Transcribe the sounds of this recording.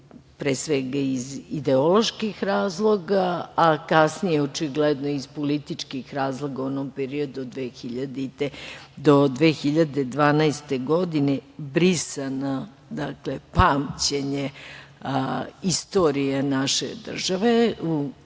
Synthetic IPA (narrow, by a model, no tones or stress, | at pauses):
pɾesʋɛɡaizid̪eo̞lo̞ʃkixɾaːzlˠo̞ɡaːkasnijeot͡ʃiɡled̪no̞izpolit̪it͡ʂkixɾaːzlˠo̞ɡaonompeɾio̞d̪uod̪ʋeːxiʎad̪it̪ed̪o̞d̪ʋeːxiʎad̪ed̪ʋaːnaest̪eɡo̞d̪ine̞bɾisana | d̪aklepaːmt͡ɕeɲe | ist̪o̞ɾijenaʃḛd̪r̩ʒaʋe̞u